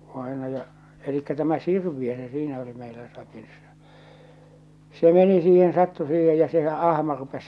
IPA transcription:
ʋɑenɑjɑ elikːæ tæmæ sirʋiø se siːnæ oli meilæ sɑkisːɑ se meni siːhen sɑtːu siːhej jɑ sehæ ʔɑhmɑ rupes

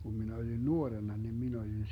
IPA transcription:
kum minæ olʲin nuorenːɑ nin min olʲin

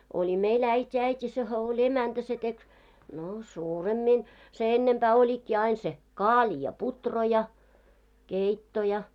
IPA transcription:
olʲi meil æitʲi æitʲi sehæ olʲ emæntæ se tek no suːremːin se enːempæː olʲikːi ɑin se kɑːlʲi jɑ putro jɑ keitːo jɑ

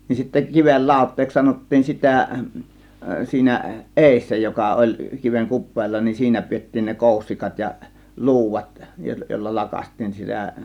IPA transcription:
nin sitːæ kiʋel lɑˑo̝tˑeːks sɑnotːiːn sitæˑ siːnæ ʔeˑisːæ jokɑ olʲ kiʋeŋ kupˑeːlːɑ nin siːnæ pietːiːn ne koˑusːikɑt jɑ lu̞uʋɑt joˑilːɑ lɑkɑstˑiːn sitæ

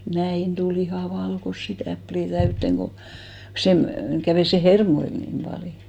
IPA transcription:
næin tul ihɑˑ ʋɑlkosːi tæpliˑ tæytːeŋ ko sem kæʋeˑ se hermoil nim pɑljo

